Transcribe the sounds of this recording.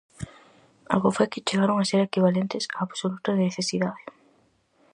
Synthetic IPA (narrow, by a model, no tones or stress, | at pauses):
a̰lɣʊfojkɪt͡ʃeɣaɾoŋaseɾekiβalẽnt̪ɪsaːβsolut̪ɐðɪneθesiðaðɪ